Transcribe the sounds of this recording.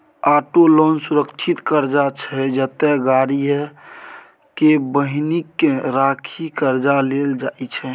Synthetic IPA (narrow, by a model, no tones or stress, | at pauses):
aʈolɔnsuɾəkt͡ʃʰit̪kəɾd͡ʒat͡ʃʰɛd͡ʒət̪ɛɡaɾi | kebəɦnikːeɾakʰikəɾd͡ʒaleld͡ʒaet͡ʃʰɛ